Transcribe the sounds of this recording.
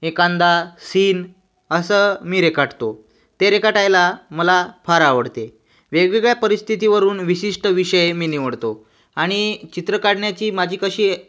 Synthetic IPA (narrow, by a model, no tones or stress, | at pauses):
ekand̪asiːn | əsəmiːɾekaʈt̪o | t̪eɾekaʈajlaməlafaɾaʋəɽt̪e | ʋeɡʋeɡɭjapəɾist̪ʰit̪iʋəɾuːnʋiɕiʂʈəʋiɕəjmiːniʋəɽt̪o | aɽ̃it͡ɕit̪ɾəkaɽɳjat͡ɕiːmad͡ʑʱiːkəɕiː